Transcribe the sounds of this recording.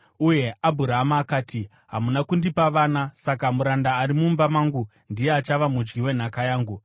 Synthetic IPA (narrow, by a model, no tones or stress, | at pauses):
uje̞abʱuɾaɦamaːkaːti | ɦamunakundipaʋaːnasakamuɾandaːɾimumbamaːŋɡu | ndijeat͡ʃaʋamud͡ʒɡiwe̞n̤akajaːŋɡu